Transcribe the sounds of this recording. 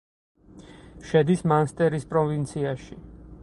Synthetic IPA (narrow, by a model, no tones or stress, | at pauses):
ʃɛd̪ismanst̪ʼɛɾispʼɾɔvint̪sʰiaʃi